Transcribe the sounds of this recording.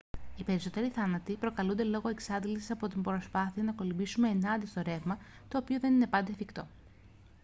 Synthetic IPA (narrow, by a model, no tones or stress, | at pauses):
ipe̞ɾiso̞t̪e̞ɾiθɐnɐt̪ipɾo̞kɐlund̪e̞lo̞ɣoe̞ksɐnðilsi̥sɐpo̞t̪imbɾo̞spɐθiɐnɐko̞libisume̞ːnɐnd̪ist̪o̞ɾe̞vmɐ | t̪o̞ːpioðe̞nine̞pɐnd̪efikt̪o̞̰